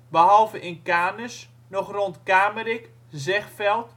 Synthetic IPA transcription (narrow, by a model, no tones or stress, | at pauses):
bəɦɔlˠvəʔɪnkaːnəs | nɔxrontkaːməɾɪk | zɛxfɛlˠt